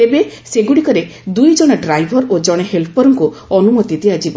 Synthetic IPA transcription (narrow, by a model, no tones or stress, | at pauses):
t̪ebeseɡuɽikɔɾe | d̪ujd͡ʒɔɽ̃ɔɖɾajbʱɔɾod͡ʒɔɽ̃eɦelpɔɾɔŋkuɔnumɔt̪id̪iad͡ʒibɔ